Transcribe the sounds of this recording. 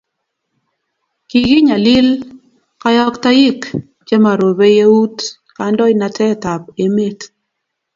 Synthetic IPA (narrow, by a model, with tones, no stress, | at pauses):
ki˨ɡi˦ɲa˨lɪ˦l | ka˦jɔ˦kta˦ji˦k | t͡ʃe˦ma˨ɾo˨be˦je˦u˦t | ka˨ndɔ˦ɪ˦na˨tʰɛ˦ta˨p̚e˦me˦t